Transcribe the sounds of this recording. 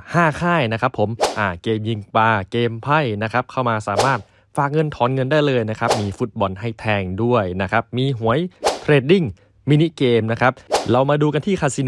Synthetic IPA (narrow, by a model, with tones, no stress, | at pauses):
haː˥˩kʰaː˥˩jna˦˥kʰɾa˦˥pʰːo˩˦mʔaː˧˩keː˧mji˧ŋpaː˧keː˧mpʰa˥˩jna˦˥kʰɾa˦˥p̚kʰa˥˩wmaː˧saː˩˦maː˥˩t̪̚ | faː˨˩k̚ŋɤ˧nt̪ʰɔː˩˦nŋɤ˧ndaː˥˩jlɤː˧jna˦˥kʰɾa˦˥p̚miː˧fu˦˥t̪̚bɔ˧nɦa˥˩jt̪ʰɛː˧ŋdu˥˩əjna˦˥kʰa˦˥p̚miː˧ɦu˩˦əjt̪ʰɾeː˧˩t̪̚di˥˩ŋ | miː˧ni˦˥ʔkeː˧mna˦˥kʰɾa˦˥p̚ɾa˧wmaː˧duː˧ka˧nt̪ʰiː˥˩kʰaː˨˩t̪̚si˧n